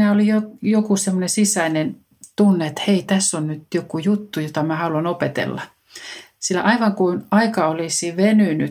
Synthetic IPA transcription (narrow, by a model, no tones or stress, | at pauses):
næolijojokusemːonesisæinen | t̪unːeet̪heit̪æsːonnyt̪jokujut̪ːujot̪ɑmæhɑuluɑnopet̪ḛlːɑ | silːæ̰ʔɑiʋɑŋkunɑikɑolisiʋenyny̰